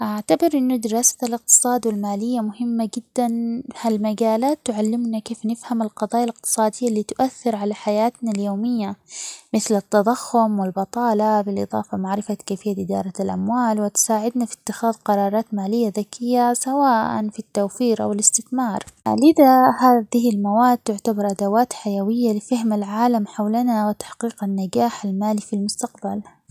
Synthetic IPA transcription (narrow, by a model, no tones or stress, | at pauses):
ʔaʕt̪abɪɾʔɪnːʊd̪ɪɾɑːsḁlɪq̚t̪ɨ̥sˤɑːd̪wɪlmaːlɪjːamʊɦɪmːaɡɪd̪ːanhalmaɡaːlaːt̪ːʊʕalːɪmnakeːfnɪfhamɪlqɑðˤɑːjalɪq̚t̪ɨ̥sˤɑːd̪ɪjːaliːt̪ʊʔaθːɪɾʕalaħajaːt̪naljoːmɪjːamɪθlɪt̪ːɑd̪ˤɑxːʊmwɪlbɑt̪ˤɑːlɑbɪlʔɨ̰ðˤɑ̰ːfɑmaʕɾɪfakaːfɪjːaʔɪd̪ɑ̰ːɾˤɑlʔa̰mwaːlwɪt̪ʊ̥saːʕɪd̪nafi̥t̪ːɪxaːðqɑɾˤɑːɾˤɑːt̪maːlɪjːaðakɪjːasawaːʔa̰nfit̪ːawfiːɾʔa̰wɪlɪst̪ɪθmɑːɾˤlɪðahaːðɪhɪlmawaːd̪̚t̪ʊʕt̪abɑɾˤʔad̪awaːt̪ħajawɪjːalɪfahmalʕaːlamħawlanawɪt̪ḁħqiːqanːaɡaːħalmaːlifilmʊst̪aqbal